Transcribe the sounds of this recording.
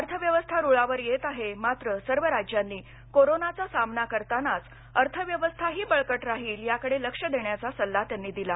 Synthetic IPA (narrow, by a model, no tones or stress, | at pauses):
əɾt̪ʰəʋjəʋəst̪ʰaɾuɭaʋəɾjet̪aɦemat̪ɾəsəɾʋəɾad͡ʑjanːiː | koɾonat͡sasamnakəɾt̪anat͡s | əɾt̪ʰəʋjəʋəst̪ʰaɦiːbəɭkəʈɾaɦiːljakəɽeləkʂəd̪eɳjat͡sasəlːat̪janːiːd̪ila